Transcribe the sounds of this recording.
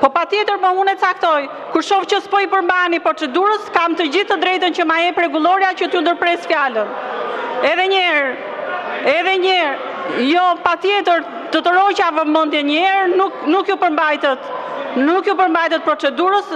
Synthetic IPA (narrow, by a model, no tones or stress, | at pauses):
pɔpat̪jɛt̪əɾməunɛt̪t͡sak̚t̪ɔj | kuɾʃɔft͡ɕəspɔipəɾmbanipɾɔt͡sɛd̪uɾəskamt̪əd͡ʑiθt̪əd̪ɾɛjt̪ənt͡ɕəmajɛpɾɛɡulˠɔɾjat͡ɕət̪iund̪əɾpɾɛsfjalən | ɛðɛɲɛɾ | ɛðɛɲɛɾ | jɔpat̪jɛt̪əɾ | t̪ət̪əɾɔt͡ɕavəmənd̪jɛɲəɛɾnuknukjupəɾmbajt̪ɛt̪nukjupəɾmbajt̪ɛt̪̚pɾɔt͡sɛd̪uɾəs